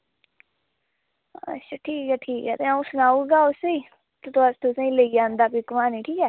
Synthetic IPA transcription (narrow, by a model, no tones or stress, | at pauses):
ə̰ʃʰaːʈʰiːkɛːʈʰiːkɛːt̪eːaũsʊnaːuːɡaːʊseiː | t̪et̪oast̪ʰosẽĩːləiːd͡ʒãːnd̪aːpiːkmaːniːʈʰiːkɛː